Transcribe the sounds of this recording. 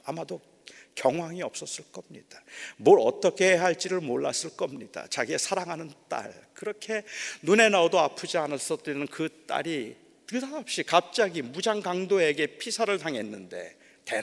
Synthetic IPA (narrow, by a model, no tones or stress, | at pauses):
amado | kjʌŋɦwaŋiʌp̚s͈ʌs͈ɯɭk͈ʌmɲḭd̥amoɾʌ̰t͈ʌkʰe̞ɦaɭt͡ɕ͈iɾɯɭmoɭːa̰s͈ɯɭk͈ʌmɲid̥a̰t͡ɕaɡie̞sʰaɾaŋɦanɯnt͈a̰ɭkɯɾʌkʰe̞nune̞naodoapʰud͡ʑianas͈ʌt͈inɯnkɯt͈a̰ɾi | tɯdaʌp̚ɕ͈ikap̚t͡ɕ͈aɡimud͡ʑaŋɡaŋdoe̞ɡe̞pʰisʰaɾɯɭtaŋe̞nːɯnde̞̰ | te